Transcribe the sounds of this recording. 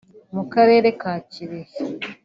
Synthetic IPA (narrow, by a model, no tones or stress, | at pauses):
mukaɾe̞ːɾe̞kaːciɾe